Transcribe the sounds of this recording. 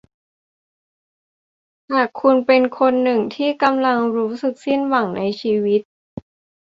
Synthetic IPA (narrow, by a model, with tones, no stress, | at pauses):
haː˨˩kʰːu˧npe˧nkʰo˧nːɯ˨˩ŋt̪ʰiː˥˩ka˧mla˧ŋɾuː˦˥sɯ˨˩k̚si˥˩nwa˨˩˦ŋna˧jt͡ɕʰiː˧wi˦˥t̪̚